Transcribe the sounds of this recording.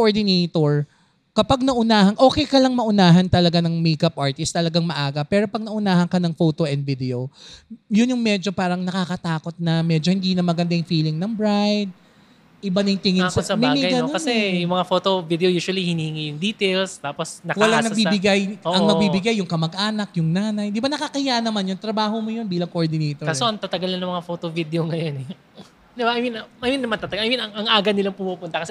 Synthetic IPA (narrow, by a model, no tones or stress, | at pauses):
oʔoɹd̪ɪneːt̪oɹ | kɐpaɡ̚nɐʔʊnaːhɐnʔo̞ːkɛjkɐlɐŋmɐʔʊnaːɦɐnt̪ɐlɐɡanɐŋmeːkɐpʔaɹt̪ɪst̪ːɐlɐɡaŋmɐʔaːɡɐpɛːɾo̞pɐɡ̚nɐʔʊnaːhɐŋkɐnɐŋfo̞ːt̪oʔɛnd̪̚vid̪ɛo | jʊnjʊŋmɛd͡ʒo̞paːɾɐŋnɐkakɐt̪aːko̞t̪̚nɐmɛd͡ʒohɪnd̪iːnɐmɐɡɐnd̪ajʊŋfiːlɪŋnɐŋbɹajd̪̚ | ʔɪbanɐjŋt̪ɪŋɪssɐmɪaɐjɡɐnoɐnsɛjʊŋmɐŋafot̪ovid̪ɛojuːʃwɐlihɪniːhɪŋijʊŋd̪it̪ɛlst̪aːposnɐkwɐlanɐɡ̚bibɪɡajoɐŋŋnɐbibɪɡajːʊŋkɐmɐɡʔaːnɐk̚jʊŋnaːnɐjd̪ɪbanɐkakɐhɪjanɐmanjont̪ɾɐbaːɦomojo̞nbiːlɐŋkoʔoɹd̪ɪnɛjt̪okasoɐŋt̪ɐt̪ɐɡɐlɐnɐŋmɐŋafoːt̪ovid̪eoŋɐjonɛ | d̪ɪbaʔɐjminɐjminːɐmaɐnt̪ɐt̪ɐɡʔɐjminɐŋɐŋʔaːɡɐnɪlaŋpʊmupʊnt̪ɐkɐsɛ